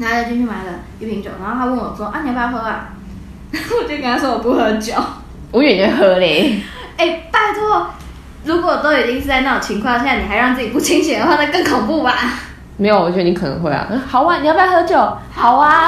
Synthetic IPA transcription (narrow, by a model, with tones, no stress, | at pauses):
na˨˧˥jo˨˩t͡ɕʰy˥˧nt͡ɕʰy˥˩wa˧˥nlə˧ | i˥˩pʰi˧˥ŋt͡ɕjo˨˩ʊna˧˥xʰwə˥˩nwɔ˨˩t͡swɔ˥˧ʔa˥ni˨˩˧pa˥˧˥xwe˥˧˥wa˥˩ | wɔ˨˩t͡ɕo˥˩˧knʰa˥˩ʂwɔ˥wɔ˨˩pu˥xɤ˧˥t͡ɕjo˨˩˦ʊ | ɔ˧˥ɥy˨˩n˧˥xɤ˧˥li˨˦ | e˥˩ɪpa˥˧˩t͡sɔ˥ɔ˥˧ | ɻu˧˥kwɔ˧˨˩wɔ˨˩t̪o˥ʊjo˨˩d̪ə˧i˥˩s̬ɹ̩˥˧˥t͡sna˥˩o˨˩ŋt͡ɕʰi˧˥ŋkʰwɑ˥˧ŋɕɛ˥˩˧a˥˩ni˨˩xa˧˥ɪɻɑ˥˧ŋt͡sɹ̩˥˩t͡ɕi˨˩pu˥˩t͡ɕʰi˥ŋɕɛ˨˩ŋd̪ə˧xwa˥˧˩na˥˧kɤ˥˩ŋkʰo˨˩ŋpu˥˩ba˨˩ | me˧˥ɪo˨˧˩wɔ˨˩t͡ɕni˧kʰɤ˨˩nə̰˧˥ŋxwe˥ɪɐ̰˨˩xɑ˨˩ʊwa˧˥ni˨˧jpxɤ˧˥t͡ɕjo˨˩˦ʊhɑ˨˩ʊla˧